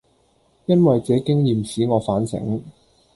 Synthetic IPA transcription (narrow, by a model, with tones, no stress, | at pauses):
jɐ˥nwɐ˨jt͡sɛː˨˧˥kɪ˥ŋjiː˨msiː˨˥ŋɔː˨˧faː˨˥nsɪ̰˨˥ŋ